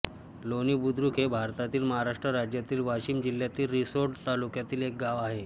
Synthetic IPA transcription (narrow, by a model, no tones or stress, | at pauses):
loniːbud̪ɾuːkʰɦebʱaɾt̪at̪iːlməɦaɾaʂʈɾəɾad͡ʑjat̪iːlʋaɕiːmd͡ʑil̤ːjat̪iːlɾisoɾɖt̪alukjat̪iːlek̚ɡaʋaɦe